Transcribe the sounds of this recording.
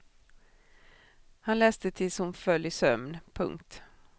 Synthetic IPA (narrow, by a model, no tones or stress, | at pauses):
hanlɛːst̪ət̪ʰɪlshʊmfœlːjsœmnpʰɵ̰ŋkt̪